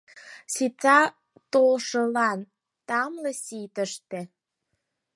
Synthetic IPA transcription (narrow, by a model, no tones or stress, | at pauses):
sit̪ɑ | t̪olʃə̆lɑn | t̪ɑmlesit̪əʃt̪e